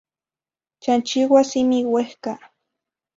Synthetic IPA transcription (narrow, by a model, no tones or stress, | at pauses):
t͡ʃant͡ʃiwasimiwehka